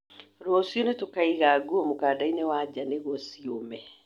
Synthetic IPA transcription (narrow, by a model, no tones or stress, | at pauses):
ɾwɔsionetokaiɣaɡuɔmokadainewad͡ʑaneɣɔsiomɛ